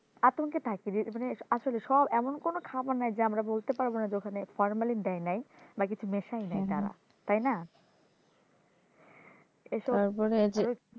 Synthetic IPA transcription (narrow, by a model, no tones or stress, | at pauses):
at̪oŋket̪ʰakiɾimaneaʃoleʃɔbɛmonkonokʰabanajd͡ʑeamɾabolt̪epaɾbonad͡ʑeokʰanefɔɾmalind̪ɛjnajbak̬it͡ɕʰumeʃajnajt̪aɾa̰ | t̪ajna | eʃɔaɾpɔɾed͡ʑo